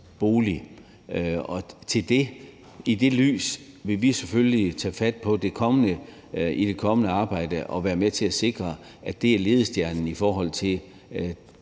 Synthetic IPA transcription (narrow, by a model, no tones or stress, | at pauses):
b̥o̝ːli | ɒ̽t͡sʰe̝ld̥e̝ | id̥e̝ly̰ːs | ʋe̝ʋiseføllit͡sʰɛ̰fæd̥̚pʰɒ̽d̥e̝kʰɒ̽mənə | id̥e̝kʰɒ̽mənəɑ̈ːb̥ɑ̈ɪ̰d̥əʔɒ̽ʋæːɐmet͡sʰe̝æse̝ɡ̥ʁɐ | ædd̥e̝æɐle̝ð̞ˠsd̥jæɐnn̩ifɒːɦɒ̽l̰t͡sʰe̝